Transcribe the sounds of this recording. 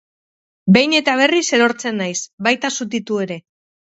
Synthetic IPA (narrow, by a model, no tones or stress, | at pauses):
be̞jne̞t̪aβ̞e̞rise̞ɾo̞ɾt͡se̞nːajsβajt̪asut̪̬it̪ue̞ɾe̞